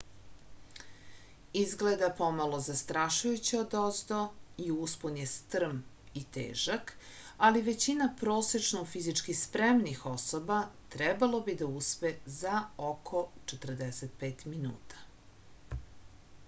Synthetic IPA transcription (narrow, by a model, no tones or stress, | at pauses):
izɡled̪apomalˠo̞zast̪ɾaʃujut͡ɕiod̪ozd̪oiuspunjest̪r̩m | it̪ḛːʒakaliʋe̞t͡ɕinapɾo̞ːset͡ʃnoufizit͡ʃkispɾemnixo̞sobat̪ɾɛbalo̞bid̪auspezaokʰo̞t͡ʃet̪r̩d̪eset̪̚peːt̪minṵːt̪ʰḁ